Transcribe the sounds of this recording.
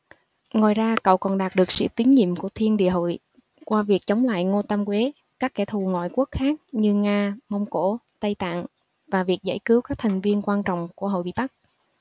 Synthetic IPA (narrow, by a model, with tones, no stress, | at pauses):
ŋo˨˩jzaː˧kə̰˧˨wkɔ˨˩nɗaː˨˩t̚ɗɨ˨˩ək̚sɨ̰˧˥˨t̪i˨˦ənɲḭ˧˨əmku˧˩ət̪ʰi˧ənɗḭ˧˨əɦo̰˧˨j | kwaː˧vi˨˩ək̚t͡ɕə˨˦wŋ͡mla̰ː˧˨jŋo˧t̪ə˧mkwe˨˦ | kaː˦˥k̚ːɛ˧˩t̪ʰu˨˩ŋɔ̰˧˨jku˦˥ək̚xaː˦˥k̚ɲɨ˧ŋaː˧mə˧wŋ͡mko˧˥t̪ə˧jt̪a̰ː˧˨ŋ | vaː˨˩vi˨˩ək̚za̰˧˩jkɨ˨˦wkaː˦˥k̚t̪ʰa˨˩jŋ̟vi˧ənkwaː˧nt͡ɕɔ̰˧˨wŋ͡mku˧˩əɦo̰˧˨jɓḭ˧˨jɓa˦˥k̚